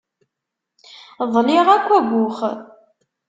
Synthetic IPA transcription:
ðˤlɪʁækʷːæɡʷʊχ

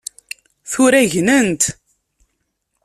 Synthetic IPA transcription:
θʊɾæʝnənt̪

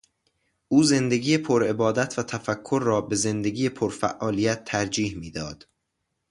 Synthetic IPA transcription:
ʔuːze̞nd̪e̞ɡiːjepʰoɾe̞bɒːd̪æt̪ʰvæt̪ʰæfækʰːoɾːɒːbe̞ze̞nd̪eɡiːjepʰoɾfæ̰ʔːɒːlijæt̪ʰːæɾd͡ʒiːhmiːd̪ɒːd̪̥

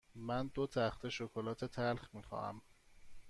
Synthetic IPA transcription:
mænd̪ot̪ʰæxt̪ʰe̞ʃokʰolɒːt̪ʰe̞t̪ʰælxmiːxɒ̰ːæ̰m

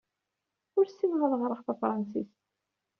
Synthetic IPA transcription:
ʊɾsiwʁəðˤʁɾˤəʁθæfɾˤɑnsis

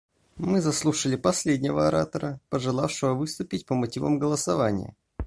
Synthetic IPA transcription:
mɨzɐslˠuʂəlʲɪpɐsʲlʲedʲnʲɪvəɐɾat̪əɾəpəʐɨlˠafʂɨvəvɨst̪ʊpʲɪtʲpəmɐtʲivə̰mɡəlˠəsɐvanʲɪ̰jə̰

